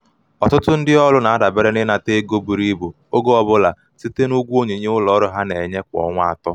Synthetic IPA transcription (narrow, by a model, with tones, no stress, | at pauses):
ɔ˨tʊ˦tʊ˦n̩˦dɪ˦ɔ˦lʊ˦na˨a˦da˨be˦ɾe˦nɪ˦na˨te˦ɡo˦bu˨ɾi˦bo˨ | o˦ɡo˦ɔ˦bʊ˦la˨ | si˦te˦nu˦ɡʷo˦ɲe˨ɲe˦ʊ˦lɔ˨˦ɾʊ˨ɦa˦ne˨ɲe˦kʷɔ̰˨ŋʷ˦a̰˨tɔ˦